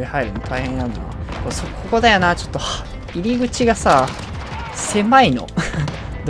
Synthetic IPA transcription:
ehaiɾɯ̟mot̪ʰaihẽ̞nːãnd̪ona̰koːsokʰoko̞d̪ajonaːt͡ɕo̞̥t̪ːoha | iɾʲiɡɯ̟t͡ɕiɡasaː | se̞maino̞̰ | d̪

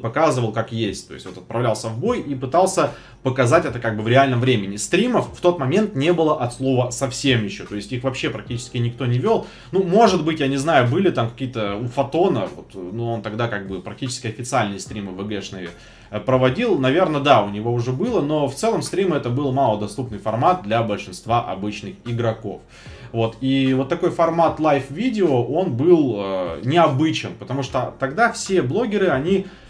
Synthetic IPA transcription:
pɐkazɨvəlˠkakjesʲtʲt̪oɪ̰st̪ʲvot̪ɐt̪̚pɾɐvlʲalˠsʲəvbo̞jipɨt̪ɑlˠsʲə | pəkɐzatʲɛt̪əkaɡ̚bɨvɾʲɪalʲnəmvɾʲemʲɪnʲɪst̪ɾʲiməfːt̪o̞t̪mɐmʲe̞nt̪nʲe̞bɨlˠəʔɐt̪slˠo̞vəsɐfsʲe̞mjɪɕːo̞t̪o̞ɪsʲtʲixvɐpɕːe̞pɾɐk̚tʲit͡ɕɪ̥skʲɪnʲɪk̚t̪o̞nʲɪvʲolˠ | numo̞ʐɨd̪bɨtʲjanʲɪznajʊbɨlʲɪt̪amkɐ̥kʲijət̪əufɐt̪o̞nəvo̞̰t̪nuo̞nt̪ɐɡd̪akaɡ̚bɨpɾɐk̚tʲit͡ɕɪ̥skʲɪɐfʲɪt̪sɨalʲnɨjɪst̪ɾʲimɨvəɡɛʂnəvʲɪ̰ | pɾəvɐdʲilˠnɐvʲe̞rnəd̪aʊnʲɪvo̞ʊʐɛbɨlˠəno̞ft̪sɛlˠəmst̪ɾʲiməɛt̪əbɨlˠmalˠəd̪ɐst̪upnɨjfɐrmat̪̚d̪lʲɐbəlʲʂɨnst̪vaʔɐ̰bɨt͡ɕnɨxɪɡɾɐko̞̰f | vo̞t̪ivo̞t̪ːɐko̞jfɐrmat̪lˠajfvʲidʲɪoʔo̞nbɨlˠənʲɪɐbɨt͡ɕɪmpət̪ɐmuʂt̪ot̪ɐɡd̪afsʲeblˠo̞ɡʲɪɾɨɐnʲi

